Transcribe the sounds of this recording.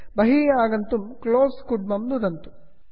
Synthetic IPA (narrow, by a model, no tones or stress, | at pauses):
bɐɦiːjaːɡɐnt̪umkloːskuɖmɐmd̪ud̪ɐnt̪u̥